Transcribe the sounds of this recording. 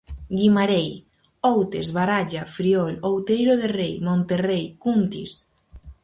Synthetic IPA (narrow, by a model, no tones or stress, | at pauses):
ɡimaɾej | owt̪ezβaɾaʎafɾiɔlowt̪ejɾoðerejmõnt̪erejkunt̪ḭs